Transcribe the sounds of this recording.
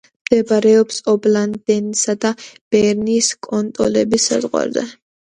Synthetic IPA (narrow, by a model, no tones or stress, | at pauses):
md̪̥ɛbaɾɛɔpsɔbland̪ɛnsad̪ab̥ɛɾniːskʼɔnt̪ʼɔ̰lɛbisːa̰zʁwa̰ɾzɛ̰